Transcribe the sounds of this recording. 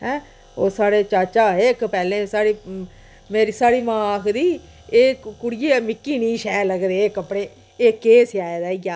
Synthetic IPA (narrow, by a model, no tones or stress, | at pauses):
ɦɛ̃ː | oːsaːɽeːt͡ʃaːt͡ʃaːɦeːɪkpɛːlẽːsaːɽiː | meːɾiːsaːɽiːmãːkʰd̪iː | eːkʊɽɪjeːmɪkːiːniːʃɛːləɡd̪eːkəpːɽeː | eːkeːsɪjaːeːd̪aːijaː